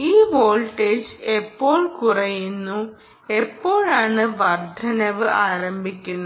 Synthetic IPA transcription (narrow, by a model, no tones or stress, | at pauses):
iːʋo̞ːlʈeːd͡ʑepːo̞ːɭkurɐjunːu | e̞pːo̞ːɭaːɳɨʋɐrd̪ʱɐnɐʋɨʔaːɾɐmbʱikʲːunːɐ